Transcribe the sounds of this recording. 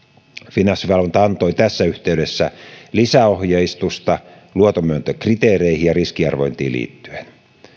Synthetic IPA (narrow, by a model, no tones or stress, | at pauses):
finɑsːiʋɑlunt̪ɑɑnt̪o̞jt̪æsːæyht̪eyɥdesːælisæohjɑist̪ust̪ɑ | luot̪omyønt̪økrit̪eːreihijɑriskiɑ̰rʋo̞̰int̪ḭːlḭːt̪ːy̥en